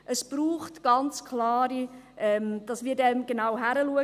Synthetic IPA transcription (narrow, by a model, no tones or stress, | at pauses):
ʔəsb̥ɾuːχtɡ̥ɑnt͡skʰlɑːɾi | ʔɛmd̥ɑsmiːɾdɛmɡ̥enawɦæɾəluə